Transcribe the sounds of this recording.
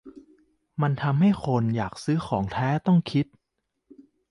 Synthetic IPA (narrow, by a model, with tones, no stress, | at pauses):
ma˧nt̪ʰa˧mɦa˥˩jkʰo˧njaː˨˩k̚sɯː˦˥xʰɔː˩˦ŋt̪ʰɛː˦˥t̪ɔ˥˩ŋkʰi˦˥t̪̚